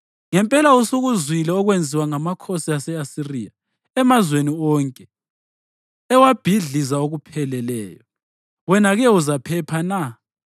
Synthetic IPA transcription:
ŋɛmpʼɛlausoɣuzwilɛɔɣwend͡zʱiwaŋamakʰosiasɛasirija | ɛmazweniɔːŋkʼɛ | ɛwab̥ʱiɮizaoɣupʰɛlɛlɛ̰ːjɔ | wɛnaɣɛuzapʰɛpʰana

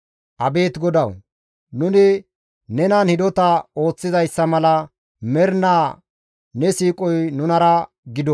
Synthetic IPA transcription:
ʔɐbe̞ːt̪ɡɔd̪ɐw | nʊnɪ | nɛnɐnhɪd̪ɔt̪ɐo̞ːt͡sːɪzɐjsːɐmɐlɐ | mɛɾnaː | nɛsiːkʼɔjnʊnɐɾɐ | ɡɪd̪ɔ

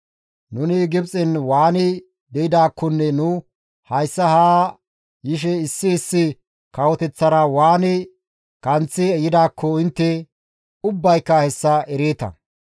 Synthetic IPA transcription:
nʊnɪɡɪbt͡sʼɪnwaːnɪ | d̪ɛjɪd̪aːkːɔnːɛnʊ | hɐjsːɐhaː | jɪʃ̬ɛɪsːɪːsːɪ | kɐwɔt̪ɛt͡sːɐɾɐwaːnɪ | kʼɐnt͡sːɪɛjɪd̪aːkʰːɔɪnt̪ːɛ | ʊbːɐjkːɐhɛsːɐɛɾeːt̪ɐ̰

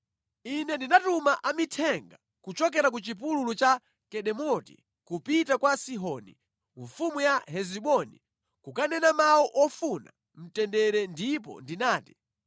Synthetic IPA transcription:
inɛndinatumaʔamitʰɛŋɡa | kut͡ʃɔk̬ɛɾak̬ut͡ʃip̬ululut͡ʃa | kɛɗɛmɔtḭ | kupitakwasiɦɔni | ɱfumujaɦɛziɓɔnḭ | kukanɛnamawɔʔɔfuna̰ | m̩tɛndɛɾɛndip̬ɔ̰ndinaːti̥

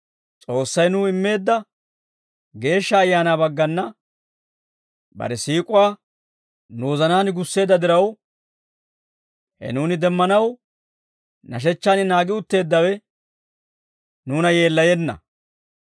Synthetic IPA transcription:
t͡sʼo̞ːsːɐjnuɪmːe̞ːd̪ːɐ | ɡe̞ːʃːɐːjːaːnaːbɐɡːɐnːɐ | bɐ̰ɾɛsiːkʼʊwaː | noːzɐnaːnɡʊsːe̞ːd̪ːɐd̪ɪɾɐw | hɛ̰nuːnɪd̪ɛmːɐnɐw | nɐʃ̬ɛt͡ʃːaːnɪnaːɡɪʊt̪ːe̞ːd̪ːɐwɛ | nuːnɐje̞ːlːɐjɛnːɐ̰

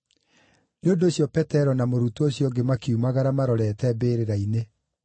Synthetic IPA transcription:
neondoːɕjɔpɛtɛɾɔnamoɾutooɕjɔɡemakeumaɣaɾamaɾɔɾɛtɛbeːɾeɾaine

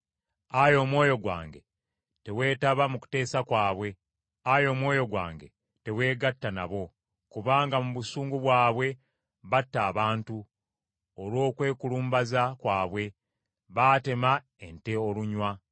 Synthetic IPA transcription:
ajo̞ːmwo̞ːjo̞ɡwa̰ːŋɡe | te̞we̞ːtaβamuku̥te̞ːsakwaːβwe̞ | ajo̞ːmwo̞ːjo̞ɡwa̰ːŋɡe̞̰ | te̞we̞ːɡatːana̰βo̞ | kuβaːŋɡamuβusuːŋɡuβwaːβwe̞ | βatːaːβaːntu | olwo̞ːkwe̞ːkuluːmbazakwaːβwe̞ | βaːte̞ma | e̞nte̞o̞luɲwa

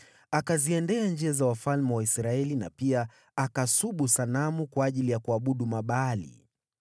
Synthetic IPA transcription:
akaziɛndɛand͡ʒiazawafalmɛwaisɾaɛlina̰pia | akasuɓusanamukwaːʄilijakuaɓuɗumaɓaːlḭ

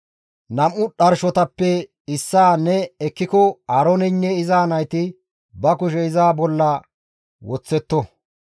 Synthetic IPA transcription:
nɐmʔʊɗɐɾʃɔt̪ɐpːɛ | ɪsːaːnɛɛkːɪkɔaːɾɔnɛnːɛɪzaːnɐjt̪ɪ | bɐkʊʃ̬ɛɪzaːbɔlːɐ | wɔt͡sːɛt̪ːɔ

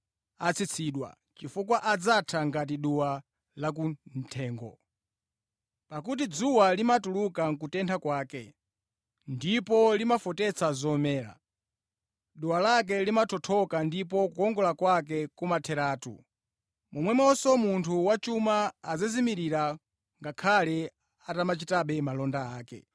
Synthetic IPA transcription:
at͡sʰit͡sʰiːɗwa̰ | t͡ʃifuk̬waʔad͡zatʰaŋɡat̬iɗuwa | lak̬un̩tʰɛːŋɡɔ̰ | pakut̬id͡zuwalimatulukaŋkutɛntʰakwaːkɛ | ndipɔlimafɔtɛt͡sʰazɔmɛːɾa̰ | ɗuwalak̬ɛlimatʰɔtʰɔkandipɔkuɔŋɡɔlakwak̬ɛkumatʰɛɾaːtṵ | mɔmwɛmɔsɔmuntʰuwat͡ʃumaːzazimiɾiɾa | ŋɡakʰalɛ | atamat͡ʃitaɓɛmalɔndaaːkɛ̰

